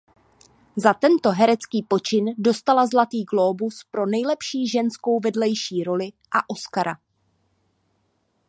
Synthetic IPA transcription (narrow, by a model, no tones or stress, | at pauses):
zat̪ɛnt̪o̞ɦɛɾɛt͡skiːpo̞t͡ʃɪndo̞st̪alazlat̪iːɡloːbuspɾo̞nɛjlɛpʃiːʒɛnsko̞wvɛdlɛjʃiːɾo̞lɪ | ʔaʔo̞skaɾa